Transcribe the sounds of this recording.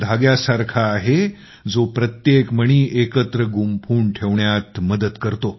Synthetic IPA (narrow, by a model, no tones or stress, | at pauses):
d̪ʱaɡjasaɾkʰaːɦe | d͡zopɾət̪jekməɽ̃iːʔekət̪ɾəɡumpʰuːɳʈʰeʋɳjat̪məd̪əd̪kəɾt̪o